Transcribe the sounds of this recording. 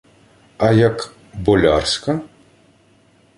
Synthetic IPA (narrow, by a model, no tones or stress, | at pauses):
ɐjɐk | bɔlʲa̰rsʲkɐ